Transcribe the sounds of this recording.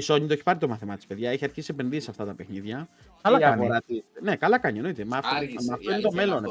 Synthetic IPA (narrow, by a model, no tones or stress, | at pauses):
iso̞ɲit̪oeçi̥pɐɾit̪omɐθimɐt̪i̥spe̞ðʝɐeçiɐɾçisiepe̞nðisisɐft̪ɐt̪ɐpe̞xniðʝɐ | ɐlɐoɾɐt̪ienekɐlɐkɐɲenoit̪emɐfmɐft̪oinit̪o̞me̞lo̞n